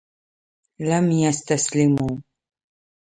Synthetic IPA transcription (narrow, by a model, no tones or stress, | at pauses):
lɐmjast̪ʰɐslɪmuː